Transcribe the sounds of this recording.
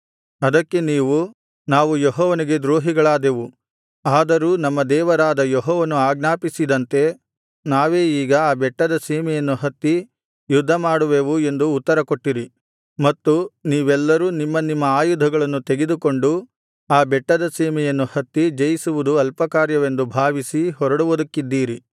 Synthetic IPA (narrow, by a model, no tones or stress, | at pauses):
ɐd̪ɐkːe̞niːʋu | naːʋujɔɦɔːʋɐniɡe̞d̪ɾoːɦiɡɐɭaːd̪eʋu | aːd̪ɐɾuːnɐmːɐd̪ɛːʋɐɾaːd̪ɐjɔɦɔːʋɐnuaːɡnaːpisid̪ɐnt̪e̞ | naːʋe̞ːiːɡɐaːbɛʈːɐd̪ɐsɛːmɛjɐnːuɦɐt̪ːi | jud̪ʱːɐmaːɽuʋeʋue̞nd̪uːt̪ːɐɾɐkoʈːiɾi | mɐt̪ːuniːʋɛlːɐɾuːnimːɐnimːɐaːjud̪ʱɐɡɐɭɐnːut̪eɡe̞d̪uko̞ɳɖu | aːbɛʈːɐd̪ɐsɛːmɛjɐnːuhɐt̪ːid͡ʒɐjisuʋud̪uɐlpɐkaːɾjɐʋe̞nd̪ubʱaːʋisiɦɔɾɐɽuʋud̪ɐkːid̪ːiːɾi